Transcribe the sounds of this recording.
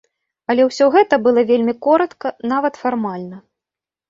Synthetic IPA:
ɐlʲɛwsʲɔɣɛt̪ɐbɨlˠɐvʲelʲmʲikɔɾɐt̪kɐnavɐt̪farmalʲnɐ

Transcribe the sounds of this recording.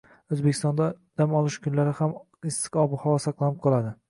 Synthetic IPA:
ɵzbekʲɪ̥st̪ɒnd̪ad̪̥amɒlˠɪʃkʰʊnlaɾɪham | ɪsɨ̥qɒbhɒwɒsɑqlˠanɪp̚qʰɒlˠad̪ɪ

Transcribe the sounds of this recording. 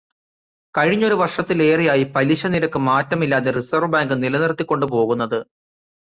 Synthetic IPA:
kɐɻiɲːo̞ɾuʋɐrʂɐt̪ːile̞ːrijaːjipɐliɕɐniɾɐkːɨmaːtːɐmilːaːðerisɐrʋbaːŋɡɨnilɐnirt̪ːikʲːo̞ɳɖɨp̬o̞ːɣunːɐðɨ

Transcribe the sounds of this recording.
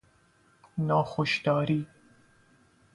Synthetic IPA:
nɑːxʊʃd̪ɑːɾiː

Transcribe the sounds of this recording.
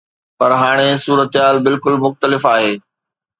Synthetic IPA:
pɐɾɦaːɽ̃esuːɾət̪ɦaːlbɪlkʊlmʊxt̪əlɪfaːɦeː

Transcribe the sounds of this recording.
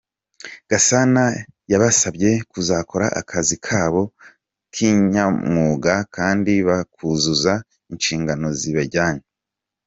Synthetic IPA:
ɡ̥asanajaβasabɟe̞kuzaːkʰo̞ɾaʔa̰kʰazikʰaːβo̞ | kʰiɲɲamŋuːɡakaːndiβakʰuzuza | inʃiːŋɡanoziβaɟaːɲe

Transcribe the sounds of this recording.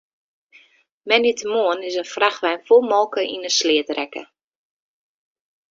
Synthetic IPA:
mɛnitəmoənɪsənfraxʋɛjnfolˠmɔlˠkəʔḭnəslɪətrɛkə̰

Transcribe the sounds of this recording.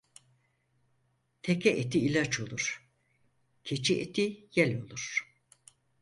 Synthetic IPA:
t̪ʰecʰɛʔet̪ʰiːlʲat͡ʃʰo̞lˠuɾ̥ | cʰet͡ʃʰiʔet̪ʰijɛlʲo̞lˠuɾ̥

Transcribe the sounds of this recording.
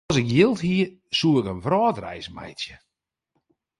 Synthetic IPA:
sɪkjɪlˠthiə | suːɪkənvrɔːtrɛ̰jsmɛ̰jtjə

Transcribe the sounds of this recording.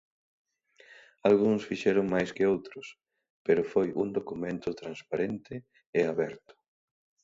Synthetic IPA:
alɣuŋsfiʃɛɾʊŋmajskɪowt̪ɾʊs | peɾʊfojʔund̪okumẽnt̪ʊt̪ɾanspaɾent̪ɪ | ɪaβɛɾt̪ʊ̥

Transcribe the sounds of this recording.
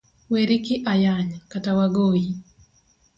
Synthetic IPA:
weɾikɪʔajaɲkatawaɡoji

